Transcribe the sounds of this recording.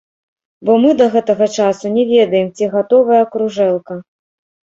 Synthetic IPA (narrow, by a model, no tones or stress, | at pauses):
bɔmɨd̪ɐɣɛt̪ɐɣɐt͡ʂasunʲɛvʲɛd̪ɐjɛmt͡sʲiɣat̪ɔvɐjɐːkɾuʐɛlˠkɐ